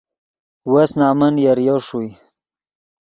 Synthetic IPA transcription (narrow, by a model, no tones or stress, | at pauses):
wasnaːmənjaɾjoʂuj